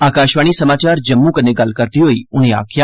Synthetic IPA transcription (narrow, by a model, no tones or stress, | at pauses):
aːkaʃʋaɽ̃isəmaːt͡ʃaɾd͡ʒəmːũkəneɡalkəɾt̪iɦoːiʊ̃nea̰ːkʰja